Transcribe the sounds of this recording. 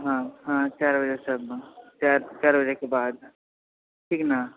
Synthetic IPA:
ɦãɦãt͡ʃaːɾbəd͡ʒesəbt͡ʃaɾt͡ʃaːɾbəd͡ʒekebaːd̪ | ʈʰiːkna

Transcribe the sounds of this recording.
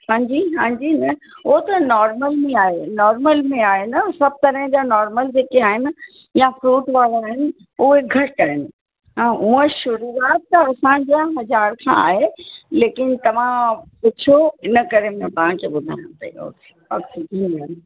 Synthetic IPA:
hãːd͡ʑiɦãːd͡ʑinɐ | ʊɦot̪ɐnɔːɾməlmẽaːɦenɔːɾməlmẽaːɦenɐsɐb̚t̪ɐɾəɦɪ̃d͡ʑaːnɔːɾməld͡ʑeːkeaːɦɪnɪ̆ | jafɾuːʈʋaːlaːɦɪnɪ̆ | ʊɦeɡʱɐʈaːɦɪnɪ̆ | ãːʔuə̃ʃʊɾuaːt̪ːɐɐsãd͡ʑaɦɐzaːɾkʰã̰a̰ːɦeleːkɪnɪ̆t̪ɐʋ̤ãpɪt͡ɕʰoɪnə̆kɐɾemẽt̪ɐɦãkʰeːɓʊd̪ʱa̰ːɪñõpɐ̰ḭo̰ːke̥ | ɔ̰ːksɪɡʱẽnan

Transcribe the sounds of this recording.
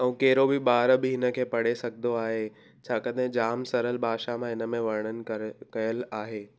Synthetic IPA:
ɛ̃keɦɪɾobɪbaːɾbɪɦɪnə̆kʰeːpɐɽ̤esɐɡʱɪd̪oaːɦe | t͡ɕʰaːkɐd̪ʱɦẽd͡ʑaːmsɐɾəlbʱaːʃamãɦɪnə̆mẽʋɐɾɽ̃ənɪ̆kɐjəlaːɦeː

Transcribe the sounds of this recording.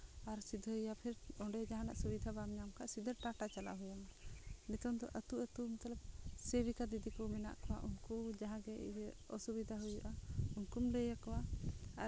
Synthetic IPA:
aɾsid̪ʱəjapʰiɾɔɖɛd͡ʒaɦana̰ʔsubid̪ʱabamɲamkaʔsid̪ʱəɾʈaʈat͡ʃala̰ɦujamanɛt̪ɔnd̪ɔ̰ʔət̪uʔət̪umt̪ələp̚sebikad̪id̪ikɔmɛna̰ʔkɔwa̰ʔunkud͡ʒaɦãɡɛ̰jəɔsubid̪ʱaɦujuʔaunkumləjakɔwaa

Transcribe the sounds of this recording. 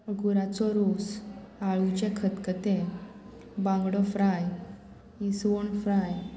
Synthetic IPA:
ɡuɾat͡sɔɾos | aɭut͡ɕɛkʰət̪kət̪ẽ | bãŋɡɽɔfɾaj | isʋoɳfɾaj

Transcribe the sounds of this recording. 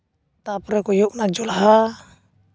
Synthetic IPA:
t̪apɾɛkɔjɔʔnad͡ʒɔlaɦa

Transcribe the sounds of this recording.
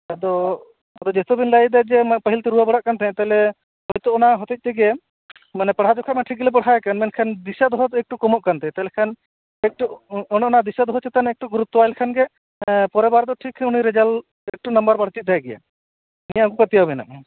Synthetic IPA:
ad̪ɔ | d̪ɔd͡ʒɛt̪ɔbinlajd̪ad͡ʒɛmapəɦilt̪ɛɾuwabəɽaʔkant̪ʰɛ̃t̪aɦɛlɛ | ɦɔjt̪ɔɔnaɦɔt̪it̪̚t͡ʃ̪ɛɡɛ | manɛpəɽɦad͡ʒɔkʰamaʈʰiɡilɛp̬əɽɦajɛkanmɛnkʰand̪isad̪ɔɦɔt̪ɛk̚ʈukɔmɔʔkant̪ʰɛt̪aɦɛlɛkʰan | ɛk̚ʈuɔnɛɔnad̪isad̪ɔɦɔt͡ʃʰɛt̪anɛk̚ʈuɡuɾut̪ːɔajlkʰanɡɛ | pɔɾɛbaɾd̪ɔʈʰikʰːɛuniɾɛd͡ʒal | ɛk̚ʈunɐmbəɾbaɽt͡ʃit̪̚d̪ajɡɛja̰ | nijaɡukət̪ijawbɛna̰ʔ

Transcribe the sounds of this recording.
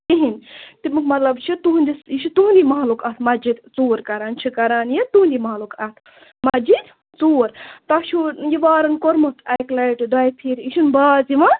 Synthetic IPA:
iɦint̪imɨkmɐt̪lɐbt͡ʃʰit̪uɦunʲd̪isiʃut̪uːunʲd̪imaɦlukat̪ʰmɐd͡ʒid̪t͡suːɾkɐɾaːnt͡ʃʰikɐɾaːnjit̪uɦunʲd̪ʲimalukɐt̪ʰ | mɐd͡ʒid̪ | t͡suːɾt̪ɐʃʰujiʋaːɾɐnkoɾmɐt̪ʰɐjklɐjʈɨɖajpʰiɾiʃunbaːzimɐ

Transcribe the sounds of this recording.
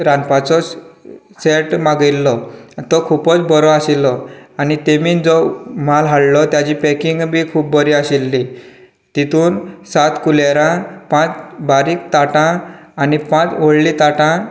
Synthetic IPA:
ɾanpat͡sɔ | seʈmaɡilːɔt̪ɔkʰupɔt͡sbɔɾɔaɕilːɔanit̪emiːd͡zɔm̤alɦaɽlɔt̪jat͡ɕiːpɛkiŋɡbiːkʰuːp̚bəɾiːaɕilːi | t̪it̪ʰuːnsat̪kuleɾãpãt͡sbaɾiːk̚t̪aʈãː | nipãt͡soɭlit̪aʈã

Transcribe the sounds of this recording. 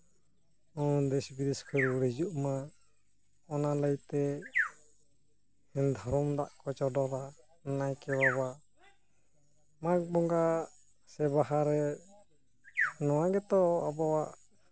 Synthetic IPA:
ɔd̪ɛsbiɾiskʰɔɾɾɛd͡ʒuʔma | ɔnaləjt̪ɛ | ind̪ʱɔɾɔmd̪aʔkɔt͡ʃɔdɔɾa | najkɛwaβaʔ | mak̚bɔŋɡa | sɛbaɦaɾɛ | nɔwaɡɛt̪ɔɔbawaʔ

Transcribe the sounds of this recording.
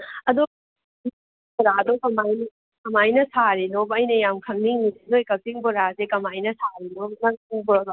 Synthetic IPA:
ɐd̪o | bɔɾaɐdokɐmajn | kɐmajnɐsaɾinobɐjnɐjamkʰɐŋniŋisizojkɐp̚tiŋbɔɾasekɐmajnɐsaɾinonɐuŋbɔdo

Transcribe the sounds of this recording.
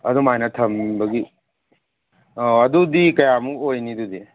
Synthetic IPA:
ɐ̰d̪umajnat̪ʰɐmbɐɡi | oɐd̪ud̪ikɐjamuojnid̪ud̪i

